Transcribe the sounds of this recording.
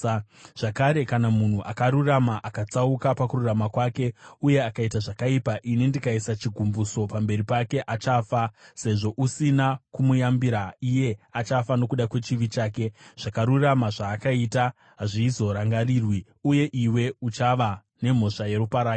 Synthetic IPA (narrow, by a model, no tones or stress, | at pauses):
ʐ̥akaɾe̞kanamun̤uʔakaɾuramaʔakat͡saukapakururamakwaːke̞uje̞akaitaʐakaipaʔinindikaisat͡ʃiɡʱumbuso̞pambe̞ɾipake̞ʔat͡ʃafase̞ʐo̞ʔusinakumujambiɾaije̞at͡ʃafano̞kuɗakwe̞t͡ʃiʋit͡ʃaːke̞ʐ̥akaɾuramaʐaːkaita | ɦaʐiːzo̞ɾaŋɡariːrwi | uje̞ʔiwe̞ut͡ʃaʋa | ne̞m̤o̞ʂaje̞ɾupaɾaːk